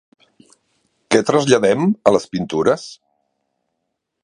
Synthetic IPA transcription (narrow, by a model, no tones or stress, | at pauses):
kɛt̪ɾəzʎəðɛmələspint̪uɾəs